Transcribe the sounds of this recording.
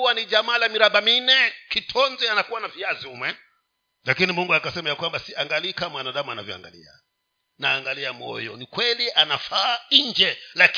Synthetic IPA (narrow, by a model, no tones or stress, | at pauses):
waniʄamaːlamiɾaɓaminɛkitʰɔnzɛanakuwanaviaziumwɛ | lakinimuŋɡuakasɛmajakwambasiaŋɡaliːkamwanaɗamuanavjɔ̰a̰ŋɡa̰lḭa̰ | naːŋɡaliamɔ̰jɔ̰nikwɛliʔanafaiɲd͡ʒɛlak